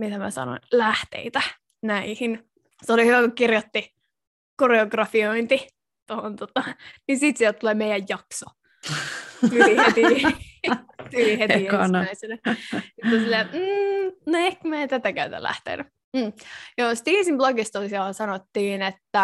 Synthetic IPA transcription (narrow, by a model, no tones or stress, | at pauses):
mit̪æmæ̰sɑ̰no̰nlæht̪ḛit̪æ | næihin | seoliyʋækukirjot̪ːi | koreoɡrɑfioint̪i | t̪ohont̪ot̪ɑnisiːt̪siɛlt̪uleːmeijæjjɑkso | t̪yihet̪i | t̪ylihet̪ienæisenæsit̪ːolsilːeːm̩noehkmæet̪æt̪ækæyt̪æ̰læ̰ht̪ḛːny | m̩ːjoːsi̥t̪iːsimbloɡist̪olisiɑɑsɑnot̪ːiːnet̪ːæ